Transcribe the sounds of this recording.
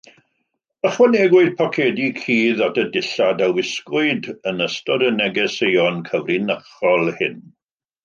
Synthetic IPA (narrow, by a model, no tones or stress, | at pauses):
əχwənɛɡwʊɨd̚pʰɔkʰɛdikʰiːðatʰədɪɬadawɪskʊɨdənəstɔdənɛɡɛsejɔnkʰəvrinəχɔlˠhɪn